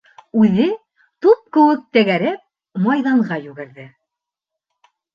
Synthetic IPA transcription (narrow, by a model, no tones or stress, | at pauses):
ʉðɘ | t̪up̚kɘ̆wɘk̚t̪æ̆ɡæɾɘp̚ | mɑjðɑɴʁɑjʉɡɘ̆ɾðɘ